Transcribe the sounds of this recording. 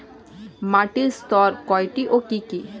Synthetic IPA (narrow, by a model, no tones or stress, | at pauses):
maʈist̪ɔɾkɔjʈiʔokiki